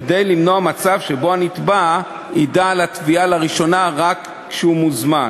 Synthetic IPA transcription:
kde̞jlimno̞amat͡savʃebo̞anit̪ba | idaːlatvialaʁiʃo̞naʁakːʃeumuzman

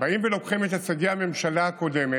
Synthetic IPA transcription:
baʔimvelo̞kχime̞t̪at͡saɡiame̞mʃalaako̞d̪e̞me

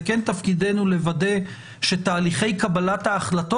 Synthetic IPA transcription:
kent̪afkid̪e̞nule̞vade̞ | ʃe̞t̪aːliχe̞jkabalathaːχlato̞

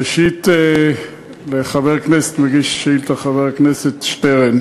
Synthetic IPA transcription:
əʃitɛ | leχavɛʁknɛstmɪɡiʃʃiːltaχavɛʁknɛsɛtʃtɛʁɛn

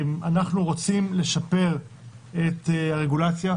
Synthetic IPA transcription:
manaχnuʁo̞t͡simle̞ʃape̞ʁ | etaʁeɡulat͡sja

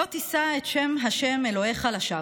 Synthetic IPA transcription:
otisaetʃe̞mɦaʃe̞melo̞heχalaʃa

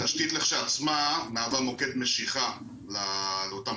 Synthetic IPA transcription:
taʃkit̪leχʃaat͡smanaːvamo̞ket̪me̞ʃiχa | laleota

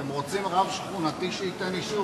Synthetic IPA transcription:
emʁot͡simʁavʃχunat̪iʃeit̪eniʃu

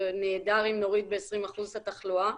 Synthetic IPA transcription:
neːd̪aʁimno̞ʁid̪̚beesʁimaχuzhat̪aχlua

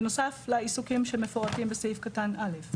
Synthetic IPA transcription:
nosaflaisukemʃɛmɛfɔt̪imbɛsefkatanalef

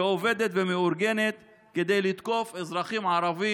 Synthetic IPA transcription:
oved̪et̪vemeuɾɡenet̪ | ked̪ejlit̪ko̞fezɾaχimʕaɾavi

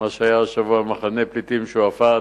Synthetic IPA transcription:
aʃeajaʃavuamaχaneplit̪imʃuafa

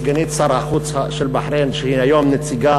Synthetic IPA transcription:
ɡæniːt̪sˤɑɾˤɑxuːt̪haʃilbaħɾeːnʃhiːnæjoːmnɪt̪ːiɡɑː

